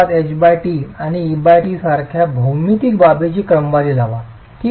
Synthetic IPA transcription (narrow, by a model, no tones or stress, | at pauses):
at̪et͡ɕbajʈiːaɽ̃iːbajʈiːsaɾkʰjabʱumit̪iːkbabet͡ɕiːkɾəmʋaliːd͡zaʋa | t̪i